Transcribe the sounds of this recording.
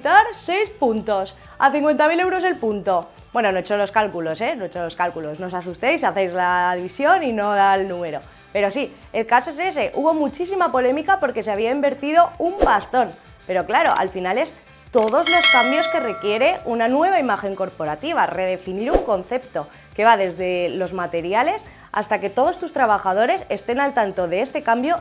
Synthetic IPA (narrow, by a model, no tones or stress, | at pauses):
t̪aɾse̞jspunt̪o̞s | aθiŋkwe̞nt̪amile̞wɾo̞ze̞lpunt̪o̞ | bwe̞nonoet͡ʃolo̞skalkulo̞se̞noet͡ʃoloskalkulo̞sno̞s̬as̬ust̪ejs̬aθe̞jzlaðiβisjo̞nino̞ðalnũme̞ɾo̞ | pe̞ɾo̞si | e̞lkasoe̞se̞s̬e̞ʔuβo̞mut͡ʃis̬imapo̞le̞mikapo̞ɾke̞s̬eaβ̞iaimbe̞ɾt̪iðo̞umbast̪o̞n | pe̞ɾo̞klaɾo̞̰ʔa̰lfinale̞s | t̪o̞ðo̞zlo̞skambjo̞ske̞re̞kje̞ɾe̞unanwe̞β̞aimaxe̞ŋko̞ɾpo̞ɾat̪iβ̞are̞ð̞e̞finiɾuŋko̞n̟θe̞p̚t̪o̞ | ke̞β̞aðe̞zðe̞lo̞zmat̪e̞ɾjale̞s | a̰st̪ake̞t̪o̞ð̞o̞st̪ust̪ɾaβ̞axað̞o̞ɾe̞se̞st̪e̞nalt̪ant̪o̞ðe̞est̪e̞kambjo̞